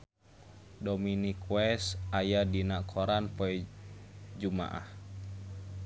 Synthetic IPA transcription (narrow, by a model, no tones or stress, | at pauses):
dɔminikwɛsʔajadinaʔkʰɔɾanpɔɛ | d͡ʒuma̰ʔa̰h